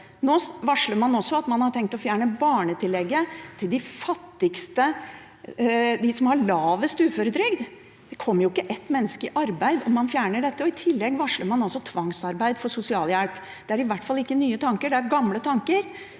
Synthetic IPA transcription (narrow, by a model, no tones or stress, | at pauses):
noːʋɑʂləɾmɑnɔsːɔɑt̪mɑnhɑʈʰɛŋkt̪ɔfjæːɳəbɑːɳət̪ʰɪlːɛɡːət̪ʰɪld̪ɪfɑt̪ːɪɡst̪ə | d̪ɪsɔmhɑɭɑːʋəst̪ʉːføːɾəd̪ɾʏɡd̪ | d̪̥ɛkʰɔmːəɾjʊɪkːəʔɛt̪ːmɛnːəskəɪʔɑɾbæɪd̪ɔmɑnfjæːɳəɖɛt̪ːəɔɪt̪ʰɪlːɛɡːʋɑʂləɾmɑnɑlsɔt̪ʰʋɑŋsɑɾbæɪd̪fɔsʊsɪɑːljælp | d̪̥ɛæɾɪʋæʈːfɑlːɪkːənyːət̪ʰɑŋkəɖɛæɾɡɑmlət̪ʰɑŋkəɾ